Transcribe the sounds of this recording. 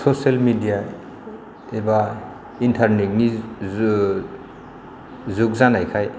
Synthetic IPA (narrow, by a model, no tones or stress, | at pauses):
soselmidija | eba | intʰaɾnek̚ni | zuk̚zanajkʰaj